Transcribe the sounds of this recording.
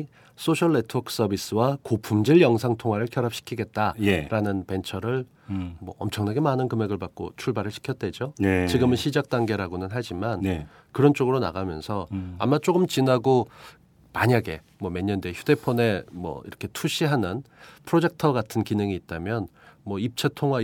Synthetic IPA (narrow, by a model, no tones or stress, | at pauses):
s͈ʰoɕʰʌɭːetʰʌkʰs͈ʌbis͈ɯwakopʰumd͡ʑiɭjʌŋsʰaŋtʰoŋɦwaɾɯɭkʰjʌɾɦap̚ɕ͈ʰi̥kʰiɡe̞t̚t͈ajeɾanɯnpe̞nt͡ɕʰʌɾɯɭ | mwʌʌmt͡ɕʰʌŋnaɡe̞manɯnkɯme̞ɡɯɭpak̚k͈o̰t͡ɕʰuɭbaɾɯɭɕʰi̥kʰjʌt̚t͈we̞d͡ʑoet͡ɕiɡɯmɯnɕʰid͡ʑak̚t͈aŋɡe̞ɾaɡonɯnɦad͡ʑiman | kɯɾʌnt͡ɕ͈oɡɯɾona̰ɡamjʌ̰nsʰʌa̰mːat͡ɕ͈oɡɯmt͡ɕinaɡo | maɲaɡe̞ | mwʌme̞ɲːʌndeçjude̞pʰone̞mwʌ̰ḭɾʌkʰe̞tʰuɕ͈ʰiɦanɯnpʰɯɾod͡ʑe̞k̚tʰʌɡatʰɯnkinɯŋiːt̚t͈amjʌnmwʌip̚t͡ɕʰetʰoŋɦwa